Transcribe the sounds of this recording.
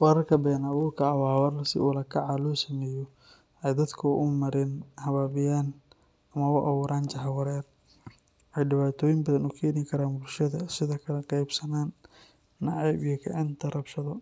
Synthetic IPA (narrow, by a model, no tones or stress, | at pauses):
wɐɾɐrkʰɐbɛːnɐβuːrkʰɐːwaːwɐrɐsɪ̰ulɐkʰɐʕɑlɔːsɐmɛːjɔ | ɛjd̪ɐd̪kʰʊʔʊmɐɾɪnhɐβaːβɪjaːn | ɐmɐwʊʔɐβuːɾaːnt͡ʃɐɦɐwɐɾɛːr | ʔɛjɖɪβaːt̪ʰɔːjɪmbɐðɐnuːkʰɛːnɪkʰɐɾaːnbʊlʃɐðɐsɪðɔːkʰɐlɛqɛjbsɐnaːnː | ɑʕɑjbijɔkʰɐʕɪnt̪ʰɐrɐbʃɐðɔ